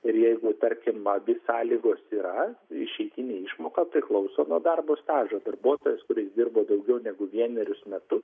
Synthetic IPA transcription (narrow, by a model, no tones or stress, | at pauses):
ɪɾjɛɪɡʊt̪ɐɾʲkʲɪmʋɐʋʲɪsɑːlʲiːɡoːsiːɾɐɪʃʲɛɪt̪ʲinʲeːɪʃmoːkɑpʲɾʲɪklˠɒʊsoːnuɔd̪ɐrboːst̪ɑːʒoːd̪ɐrbuɔt̪oːjɛskʊɾʲɪsd̪ʲɪrboːd̪ɐʊɡʲɛʊnʲɛɡʊʋʲiɛnʲɛɾʲʊsmʲɛt̪ʊ